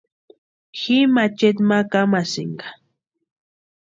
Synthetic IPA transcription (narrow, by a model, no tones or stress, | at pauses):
ximat͡ʃet̪makamasḭŋɡḁ